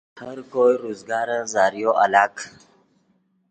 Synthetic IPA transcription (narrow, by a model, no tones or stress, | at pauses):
haɾkojɾozɡaːɾəzaːɾijoʔalaːk